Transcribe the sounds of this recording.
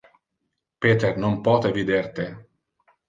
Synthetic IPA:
peːt̪ernompɔːt̪evid̪ert̪e

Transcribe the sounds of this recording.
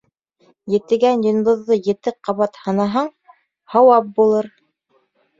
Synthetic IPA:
jɘ̆t̪ɘ̆ɡænjŏnd̪ŏðːɤjɘ̆t̪ɘqɑβɑt̪hɤ̆nɑɦɑɴ | hɑwɑp̚bulˠɤɾ

